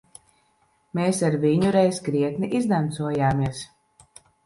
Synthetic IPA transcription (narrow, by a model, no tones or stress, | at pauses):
meːsaɾviɲuɾɛjzɡɾiɛt̪niʔizd̪ant̪suɔjaːmiɛs